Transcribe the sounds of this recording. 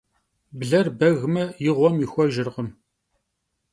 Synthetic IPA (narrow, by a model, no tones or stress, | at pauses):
bɮɐrbɐɣmɐjɪʁʷɔmjɪxʷɔʒɪrʁəm